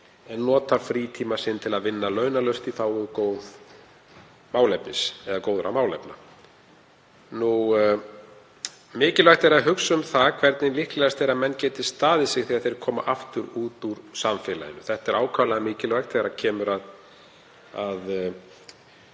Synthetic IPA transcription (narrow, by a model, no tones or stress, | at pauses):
ɛnːɔːt̪afɾiːt̪ʰiːmasɪnt̪ʰɪlaðvɪnːalœːɥnalœɥst̪iθawɔðkoːwð | maːwlɛpːɪsɛðakoːwðʏɾʔa̰maːwlɛ̰pna̰ | nu | mɪːcɪlvajxt̪ɛɾaðɦʏksʏmθakʰvɛɾt̪nɪnlɪhklɛɣast̪ejɾamɛnːcɛːt̪ɪ̥st̪aːðɪsɪɣθiaðθejɾkʰɔːma̰ʔaft̪ʏɾuːt̪uɾsaɱfɪːla̰ðɪnʏθɛht̪ɛɾʔaːwkʰalaðamɪːcɪlvajxt̪θɛɣɾacʰɛːmʏɾað | að